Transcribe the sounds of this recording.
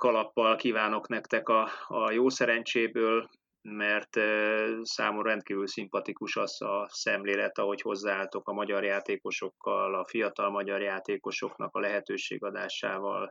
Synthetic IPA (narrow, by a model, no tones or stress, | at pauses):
kɒlɒpːɒlkiːvaːno̞knɛkt̪ɛkɒːjoːsɛɾɛɲt͡ʃeːbøːl | mɛrt̪ | saːmorrɛnt̪kiːvylsimpɒt̪ikuʃɒzɒsɛmleːlɛt̪ɒɦo̞cho̞zːaːaːlt̪o̞kɒmɒɟɒrjaːt̪eːko̞ʃo̞kːɒlɒfijɒt̪ɒlmɒɟɒrjaːt̪eːko̞ʃo̞knɒ̰kɒlɛɦɛt̪øːʃḛːɡɒd̪aːʃaːvɒ̰l